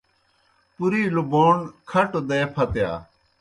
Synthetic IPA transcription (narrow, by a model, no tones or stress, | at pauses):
pʊɾiːluboːnkʰɐʈod̪eːpʰɐt̪ja̰ː